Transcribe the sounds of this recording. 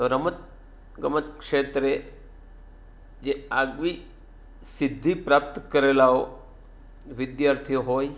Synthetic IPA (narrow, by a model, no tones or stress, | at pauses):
t̪oɾəmət̪ | ɡəmət̪kʂeːt̪ɾe | d͡ʒeaːɡʋi | sɪd̪ʱːipɾaːp̚t̪kəɾeːlao | ʋɪd̪jaːɾt̪ʰijoɦoːj